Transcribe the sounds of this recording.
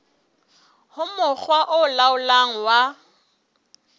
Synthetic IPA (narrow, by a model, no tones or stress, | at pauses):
hʊmʊk͡xwaʔʊlaʊlaŋ̩wa